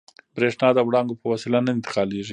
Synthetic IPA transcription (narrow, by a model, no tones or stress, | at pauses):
bɾeʂnɑd̪əwɽɑŋɡopəwasɪlanaɪnt̪ɪ̥qɑleʒi